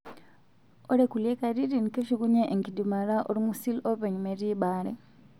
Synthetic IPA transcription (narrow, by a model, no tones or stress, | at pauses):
oɾekuljekaɾiɾinikeʃiɡuɲeʔːŋkidimaɾaʔoɾimusiloβeɲumeɾibaːɾḛ